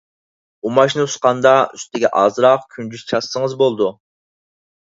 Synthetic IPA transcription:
umɑʃnɨusqɑnd̪ɑyst̪ɪɡʲɛ̰ʔɑzɾɑqkʲʰynd͡ʒyzt͡ʃʰɑsːəŋəzbolˠd̪u

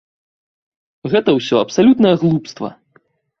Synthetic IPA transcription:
ɣɛt̪ɐwsʲɔɐpsalʲut̪nɐjɐɣlˠupst̪vɐ̰

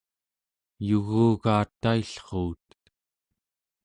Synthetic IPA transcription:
juɣuːɣaːt̪ːaiɬχuːt̪

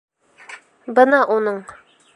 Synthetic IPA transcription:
bɤnɑʔunɤɴ

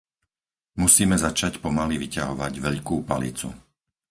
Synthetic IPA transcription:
musiːmɛzat͡ʃacpɔmaliʋicaɦɔʋaɟʋɛʎkuːpalḭt͡sṵ

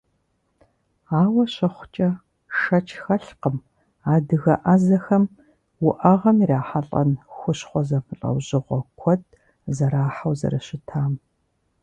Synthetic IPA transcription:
aːwɐɕɐχʷʊ̥t͡ʃʼɐ | ʃɐt͡ʃʰxɐɬqəm | aːdɨɣɐʔɐzɐxɐm | wʊʔɐʁɐmiraːħaɬʼɐ̰nxʷʊɕχʷɔzɐpʰɨɬʼɐ̰wʑɪʁʷɔkʷʰɔd̚ | zɐɾaːħawzɐ̰ɾɐɕɪtʰaːm

